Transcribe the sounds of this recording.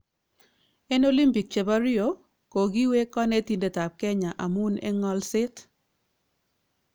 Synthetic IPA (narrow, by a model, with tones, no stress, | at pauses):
ɛ˦no˦li˦mpi˨k̚t͡ʃe˨ba˦ɾɪ˦o˨ | ko˨ɡi˦we˦kɔ˦nɛ˦ti˨nde˨ta˨p̚kɛ˦ɲa˨ʔa˨mu˦nɛ̰˦ŋɔ˦lsɪ˦t